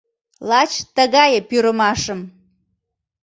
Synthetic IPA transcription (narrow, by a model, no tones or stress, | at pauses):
lˠɑt͡ɕt̪əɣɑjəpyɾəmɑʃəm